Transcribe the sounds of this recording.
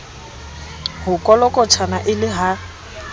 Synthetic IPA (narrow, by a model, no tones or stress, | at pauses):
hʊkʼɔlɔkʼɔtʰanaʔɪlɪɦa